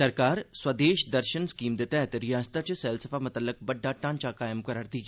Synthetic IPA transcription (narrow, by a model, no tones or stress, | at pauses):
sɐɾkaːɾswɐd̪eːʃd̪ɐɾʃənskiːmd̪et̪ɛːt̪ɾɪjaːst̪at͡ʃesɛːlsɐfaːmʊt̪əlːək̚bɐɖːaːʈãːnt͡ʃakaːjəmkɐɾəɾd̪iːɡ